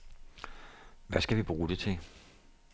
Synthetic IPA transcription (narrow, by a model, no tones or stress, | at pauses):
ʋæsɡ̥æʋib̥ʁuːd̥e̝t͡sʰe̝